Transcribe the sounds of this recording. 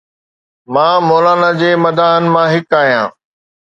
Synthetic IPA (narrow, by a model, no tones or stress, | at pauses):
mãːmoːlaːnad͡ʑeːmɐd̪ʱaːɦənɪ̆mãɦɪkaːɦijã̰ː